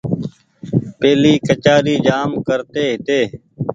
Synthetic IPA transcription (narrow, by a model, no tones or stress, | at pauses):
peːliːkət͡ʃaːɾiːd͡ʒaːmkəɾt̪eːɦɪt̪eː